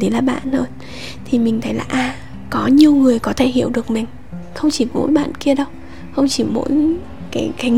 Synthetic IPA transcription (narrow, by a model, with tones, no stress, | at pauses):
ə˨˦laː˨˩ɓa̰ː˧˨nhəː˧ | t̪ʰi˨˩mï˨˩ŋ̟t̪ʰə˨˦jlaː˨˩ʔaː˧˩ | kɔ˨˦ɲi˨˧əwŋɨ˨˩əjkɔ˨˦t̪ʰe˧˩hḭ˧˨əwɗɨ˨˩ək̚mï˨˩ŋ̟ | xə˧wŋ͡mt͡ɕi˧˩mo̰˧˥jɓa̰ː˧˨nki˧əɗə˧w | xə˧wŋ͡mt͡ɕi˧˩mo̰˧˥j | kaː˨˦jkaː˨˦j